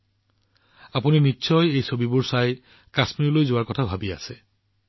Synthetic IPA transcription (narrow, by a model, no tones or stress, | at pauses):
apuninitːɕʰɔjejsobibʊɹsaj | kasmiɹulojzʊwaɹkɔtʰabʱabia̰sɛ